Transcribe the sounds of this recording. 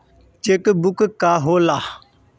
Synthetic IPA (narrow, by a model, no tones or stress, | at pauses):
t͡ʃekəbukəkaɦola